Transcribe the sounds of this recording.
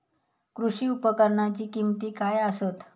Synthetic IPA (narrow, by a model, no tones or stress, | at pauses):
kɾuʂiːupəkəɾɳat͡ɕiːkimt̪iːkajəsət̪